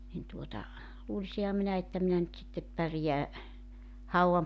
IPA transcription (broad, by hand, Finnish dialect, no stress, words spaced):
nin tuotɑ luːlisihɑ minæ etːæ minæ nyt sitːep pærje̞æ hɑuɑm